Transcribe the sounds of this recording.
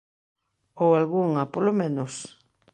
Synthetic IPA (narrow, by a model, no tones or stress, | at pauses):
owalɣuŋɐpolomẽnos